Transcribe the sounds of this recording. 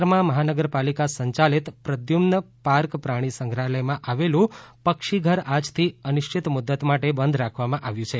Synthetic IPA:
ɾmãməɦanəɡəɾpalikasəɲt͡ʃalit̪pɾəd̪jumnə | paɾkpɾaɽ̃isə̃ŋɡʱɾaləjmãʔaʋelũpəkʃiɡʱəɾad͡ʒt̪ʰiənʊʃt͡ʃʰit̪mʊd̪ːət̪maʈebənd̪ʱɾakʰʋamãʔaʋjũt͡ʃʰe

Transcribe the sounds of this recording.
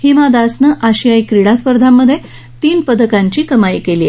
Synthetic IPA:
heʋad̪asnəʔaɕiajkɾiɽ̃aspəɾd̪ʱamːəd̪ʱːje | t̪iːnpəd̪əkaɲt͡ɕiːkəmajikeliːe

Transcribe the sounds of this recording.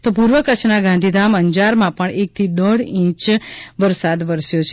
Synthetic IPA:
t̪op̬uɾʋəkət͡ʃʰnaɡãnd̪ʱid̪ʱaməɲd͡ʒaɾmãpəɳek̚t̪ʰid̪əɽĩt͡ʃʋəɾsad̪ʋəɾsjot͡ʃʰe

